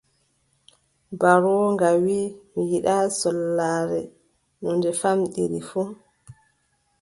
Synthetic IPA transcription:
baɾɔŋɡawimijiɗasɔlːaɾɛ | nɔndɛfamɗḭɾḭfu

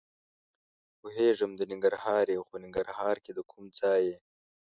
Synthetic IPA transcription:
poɦeːʐəmd̪ənɪŋɡəɾhɑːɾjewxonɪŋɡəɾhɑːɾked̪əkʰumd͡zɑːje

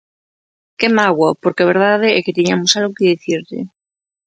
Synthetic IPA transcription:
kemaɣwapoɾkeaβ̞eɾðað̞eɛket̪iɲamosalɣokeðiθiɾʎḛ

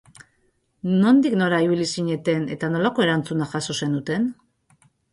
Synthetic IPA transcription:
no̞nd̪ikno̞ɾaiβ̞ilisiɲe̞t̪e̞ne̞̰t̪ano̞lako̞e̞ɾant͡sunaʝaso̞se̞nut̪e̞n

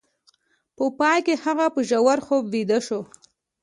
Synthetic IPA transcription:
pəpɑjkehaɣapəʒawaɾxobːid̪aʃo

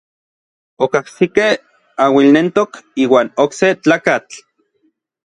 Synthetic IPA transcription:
okahsikeh | awilnent̪okiːwaːnokset͡ɬaːkat͡ɬ

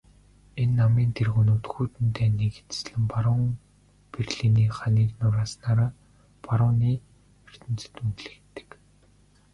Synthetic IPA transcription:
enːamiːnt̪ʰerɣunuːt̪xuːt̪ɘ̆nt̪ʰeːneɣɘ̆t͡s̪̆sɮɘ̆mpaɾʊːŋ | perɮiniːχaniːknʊɾaːsnaːɾaː | paɾʊːniː | er̥t̪ɘ̆nt͡sɘ̥̆t̪untɮɘ̆kt̪ːɘ̥̆k

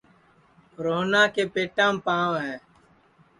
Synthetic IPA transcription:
ɾoːnãːkeːpeːʈãːmpãːõːɦɛː

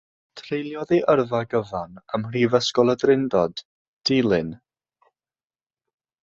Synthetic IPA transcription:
tʰrejlˠjɔðiʔərvaɡəvanəmr̥ivəskɔlˠədrɪndɔd | d̥iːlˠɨn

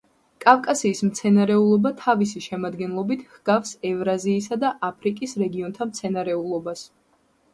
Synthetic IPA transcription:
kʼavkʼasiːsmt̪sʰɛnaɾɛulˠɔbat̪ʰavis̬iʃɛmad̪ɡɛnlˠɔbit̪ʰhɡ̥afsɛvɾaziːsad̪aʔapʰɾikʼisɾɛɡiɔnt̪ʰamt̪sʰɛnaɾɛulˠɔbas

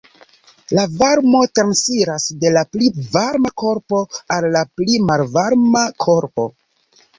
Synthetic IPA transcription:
lavaɾmo̞tɾansiɾasde̞laplivaɾmako̞ɾpo̞alːaplimalvaɾmakʰo̞ɾpo̞̰

